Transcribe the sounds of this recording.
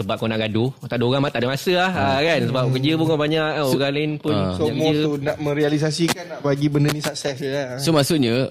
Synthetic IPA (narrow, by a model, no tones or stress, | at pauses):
səbap̚konaʔɡadut̪adəoɣaŋmat̪aʔdamasəlahəkansəbap̚kəd͡ʒəpuŋɔbaɲaʔoɡalanpʊnsoamkoətonaʔmə̃ɾialis̬as̬ikanaʔbaɡibəndənĩsak̚sɛsjasomasuʔɲə̃